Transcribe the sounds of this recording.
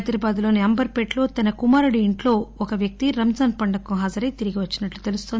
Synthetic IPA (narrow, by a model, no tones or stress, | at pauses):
d̪ɐɾɐbaːd̪lo̞ːniɐmbɐɾpeʈlo̞ːt̪ɐnɐkumaːɾuɽiiɳʈlo̞ːɔkɐʋjɐk̚t̪iɾɐmd͡ʒaːnpɐɳɖɐkuɦaːd͡ʒɐɾɐjt̪iɾiɡiʋɐt͡ʃːinɐʈlut̪elust̪oːnd̪